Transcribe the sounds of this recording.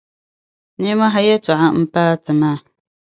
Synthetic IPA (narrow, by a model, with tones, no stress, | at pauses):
ni˦ma˦ɦa˦jɛ˦tʊ˨ʔa˦m̩˦paː˦tɨ˨maː˦˨